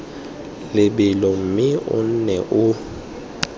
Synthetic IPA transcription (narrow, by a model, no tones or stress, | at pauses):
lɪɓɪlɔm̩mɪʊ̰n̩nɛʔʊ